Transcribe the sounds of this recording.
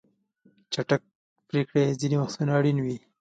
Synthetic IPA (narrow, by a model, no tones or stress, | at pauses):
t͡ʃaʈak̚ | pɾekɽezinimaxsunaːɽinwi